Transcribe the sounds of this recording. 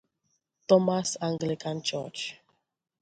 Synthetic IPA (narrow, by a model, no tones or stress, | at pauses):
tɔmasãŋɡlikãnt͡ʃə̰t͡ʃ